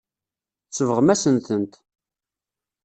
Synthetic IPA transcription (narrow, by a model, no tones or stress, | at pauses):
t͡sːəvəʁmæsənt̪ənt̪